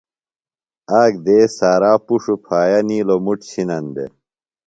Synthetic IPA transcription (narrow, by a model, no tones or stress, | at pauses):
aːɡd̪eːsaːɾaːpuʂupʰaːjɐniːlomuʈɕʰinɐnd̪ḛ